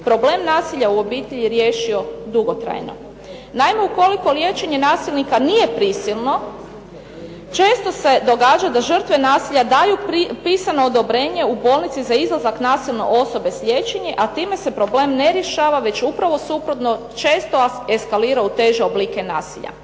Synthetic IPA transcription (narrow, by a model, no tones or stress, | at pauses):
pɾoble̞mnaːsiʎauo̞biːt̪eʎiɾjeʃio̞d̪uɡo̞t̪ɾa̰jno̞̰ | naimeuko̞liko̞lje̞ːt͡ʃe̞ɲe̞naːsilʲnikanije̞pɾisilˠno̞ | t͡ʃe̞ːst̪o̞se̞d̪o̞ɡaːd͡ʒad̪aʒər̩t̪ʋe̞naːsiʎad̪ajupiːsano̞ːd̪o̞bɾe̞ːɲe̞ubo̞lˠnit̪sizaizlˠazaknaːsilˠno̰ʔo̞so̞be̞sʎʲje̞ːt͡ʃeɲeʔat̪iːme̞se̞pɾo̞ble̞ːmne̞ɾje̞ʃaːʋaʋe̞t͡ɕupɾaʋo̞supɾot̪no̞ | t͡ʃe̞ːst̪oe̞skaliːɾaut̪e̞ʒeobliːke̞naːsiʎa̰